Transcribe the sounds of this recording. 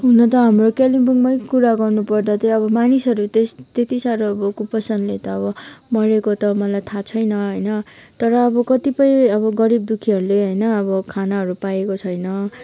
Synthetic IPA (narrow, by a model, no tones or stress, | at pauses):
ɦunʌt̪ʌɦʌmrokelibuŋmʌjkuɾaɡʌrnupʌrd̪at̪eʌbʌmanisʌɾut̪est̪et̪isaɾoʌbʌkupʌsʌnlet̪ʌːbʌmʌɾekot̪ʌmʌlajt̪ʰat͡sʰʌjnʌɦʌjnʌt̪ʌɾʌːbʌkʌt̪ipʌjʌβʌɡʌɾib̚d̪ukʰiɦʌɾuleɦʌjnʌʌbʌkʰanaɦʌɾupajekot͡sʰʌjnʌ